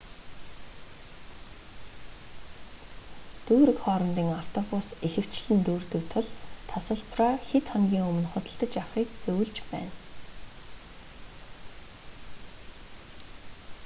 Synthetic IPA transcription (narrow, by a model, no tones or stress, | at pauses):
t̪uːɾɘ̆kχɔːɾə̆mt̪iːŋaft̪ʰɔpʊsexɘ̆w̥t͡ɕɮɘ̆nt̪uːrt̪ɵ̆k̚t̪ʰʊɮt̪ʰasə̆ɮpʰraxet̪χɔŋɡʲiːŋɵmɘ̆nχʊt̪ʲə̆ɬt̪ə̆t͡ɕawχiːkt͡sɵw̆ɮt͡ɕpæ̰ːn